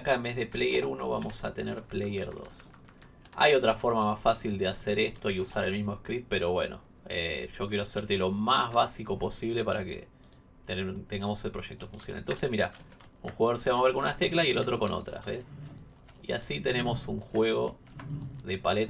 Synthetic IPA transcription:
akaembe̞ɦðe̞plejeɾuno̞̰βa̰mo̞sat̪e̞neɾplejeɾðo̞̰s | a̰jo̞t̪ɾafo̞ɾmamasfasild̪ease̞ɾe̞st̪o̞iusaɾe̞lmizmoeskɾit̪̚peɾo̞βwe̞̰no̞̰ | ḛʒo̞k̬je̞ɾoaseɾt̪e̞lo̞mazβasiko̞po̞siβ̞le̞paɾakḛ | t̪et̪eŋɡamo̞selpɾo̞ʃe̞k̚t̪o̞funsjona̰lḛnt̪o̞nse̞smiɾa̰ | uŋxuɣaðoɾseβamoβeɾkonunaht̪e̞klasie̞lo̞t̪ɾo̞ko̞no̰t̪ɾa̰βes | ia̰sit̪e̞ne̞mo̞suŋxwe̞ɣ̞o̞ | ðe̞palet̪

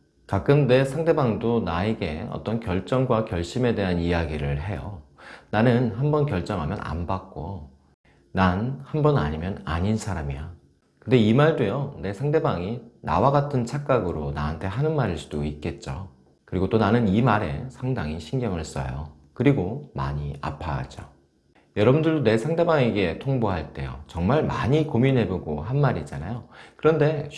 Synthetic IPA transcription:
kak̚k͈ɯmne̞sʰaŋde̞baŋdonae̞ɡe̞ʌ̰t͈ʌnkjʌɭt͡ɕ͈ʌŋɡwakjʌɭɕ͈ime̞de̞ɦanijaɡiɾɯɭhe̞jʌnanɯnɦanbʌnkjʌɭt͡ɕ͈ʌŋɦamjʌ̰na̰nbak̚k͈o | nanhanbʌna̰ɲimjʌnaɲinsʰaɾamija | kɯnde̞imaɭdwejʌne̞sʰaŋde̞baŋina̰waɡatʰɯnt͡ɕʰak͈aɡɯɾonaɦantʰe̞ɦanɯnmaɾiɭs͈ud̥oit̚k͈e̞t̚t͡ɕ͈o | kɯɾiɡot͈onanɯnimaɾe̞̰sʰaŋdaŋiɕʰinɡjʌŋɯɭɦes͈ʌ̰jo̰ | kɯɾiɡoma̰ɲia̰pʰa̰d͡ʑo | jʌɾʌbɯundɯɭdone̞sʰaŋde̞baŋeɡe̞tʰoŋboɦaɭt͈e̞̰jo̰t͡ɕʌŋmaɭmaɲikominɦe̞boɡoɦanmaɾid͡ʑana̰jokɯɾʌnde̞

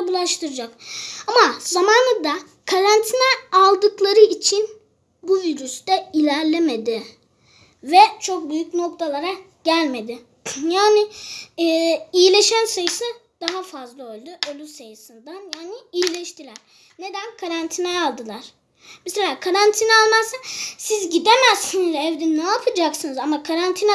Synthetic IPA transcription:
bulˠaʃt̪ʰɯɾɯd͡ʒakamazamaːnɯd̪a | kʰaɾant̪ʰinɛalˠd̪ɯklˠaɾɯit͡ʃʰin | buviɾyst̪ɛilʲæɾlʲeme̞d̪ɪ | vɛt͡ʃʰo̞k̚byjycno̞k̚t̪ʰalˠaɾa | ɟ̥ælʲme̞d̪ɪ | jaːnɪː | ijilʲe̞ʃænsajɯsɯd̪̥aɦafazlˠaolʲˠd̪uʔolˠusajɯsɯnd̪anjaːniijilʲɛʃt̪ilʲæɾ̥ | ne̞d̪ænkʰaɾant̪ʰinɛalˠd̪ɯlˠaɾ̥ | bɛselʲaːkʰaɾant̪ʰinɛalˠmazɯsizɟid̪emæz̥sinizɛvd̪inaːpʰɯd͡ʒaksɯnɯzamakʰaɾant̪ʰinɛ

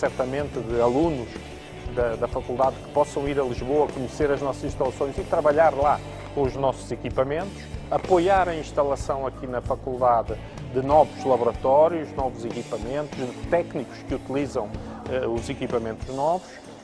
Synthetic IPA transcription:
sɛɾt̪ɐmẽnt̪ðɨɐlˠunuʃ | d̪ɐd̪ɐfɐkulˠd̪aðkɨ̥pɔsɐ̃w̃iɾɐlˠiʒβoɐkuɲseɾɐʒnɔsɐzĩʃt̪ɐlˠɐsõj̃zit̪ɾɐβɐʎaɾlˠa | kõuʒnɔsuzikipɐmẽnt̪u̥ʃɐpojaɾɐĩʃt̪ɐlˠɐsɐ̃w̃ɐkinɐfɐkulˠd̪aðɨ | d̪ɨnɔvuʒlˠɐβuɾɐt̪ɔɾjuʒnɔvuzikipɐmẽnt̪uʒðɨt̪ɛkniku̥ʃkɨut̪ilˠizɐ̃w̃ɛuzikipɐmẽnt̪uʒnɔvuʃ

